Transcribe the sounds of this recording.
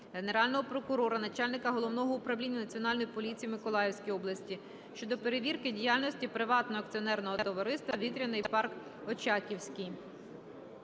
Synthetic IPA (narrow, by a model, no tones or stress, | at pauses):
ɦe̞neɾɑlʲnɔɦɔpɾɔkʊɾɔɾɐnɐt͡ʃɑlʲnɪkɐɦɔlˠɔwnɔɦɔʊpɾɐʋlʲinʲːɐnɐt͡sʲiɔn̪ɑlʲnɔjipɔlʲit͡sʲijimɪkɔlˠɑjewsʲkʲijɔblˠɐsʲtʲi | ʃt͡ʃɔd̪ɔpe̞ɾeʋʲirkɪdʲijɑlʲnɔsʲtʲipɾɪʋɑt̪nɔɦɔɐk̪̚t͡sʲiɔnɛrnɔɦɔt̪ɔʋɐɾɪst̪ʋɐʋʲit̪ɾʲɐnɔjpɑrk | ɔt͡ʃɑkʲiwsʲkʲij